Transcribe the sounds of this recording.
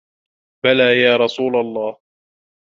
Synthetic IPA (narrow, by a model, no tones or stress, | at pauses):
balaːjaːɾˤɑsˤuːlalˤːɑːh